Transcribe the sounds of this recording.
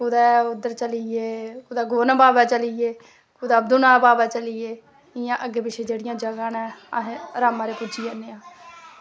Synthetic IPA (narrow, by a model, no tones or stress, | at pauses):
kʊd̪ɛːʊd̪əɾt͡ʃəlieːkʊd̪ɛːɡoːnãːbaːbɛːt͡ʃəlieː | kʊd̪aːəbd̪unaːbaːbɛːt͡ʃəlieː | ɪjãːʔəɡeːbɪʃeːd͡ʒeːɽɪjãːd͡ʒəɡãːnɛ̃ːəɦẽɾaːmãːɾeːpʊd͡ʒiɛːneːãː